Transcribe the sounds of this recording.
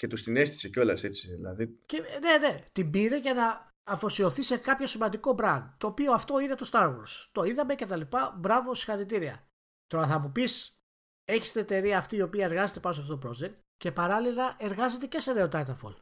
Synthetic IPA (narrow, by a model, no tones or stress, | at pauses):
ce̞t̪ust̪ine̞st̪i̥seco̞lɐse̞t͡ssiðḭlɐ̰ðicene̞ne̞t̪imbiɾe̞ʝɐnɐː | fo̞sio̞θise̞kɐpço̞simɐnd̪iko̞bɾɐnd̪t̪o̞ːpio̞ɐft̪o̞ine̞t̪o̞st̪ɐɾɣo̰ɾst̪o̞iðɐme̞ce̞t̪ɐlipɐbɾɐvo̞si̥xɐɾit̪̬iɾiɐ̰ | t̪oɾɐθɐmupis | e̞çi̥st̪ine̞t̪e̞ɾiɐːft̪iːo̞piɐe̞ɾɣɐze̞t̪e̞pɐns̬ɐft̪ot̪opɾo̞d͡ʒe̞k̚t̪ | ce̞pɐɾɐlilɐʔe̞ɾɣɐze̞t̪ece̞seneot̪ɐt̪ɐɾfo̰l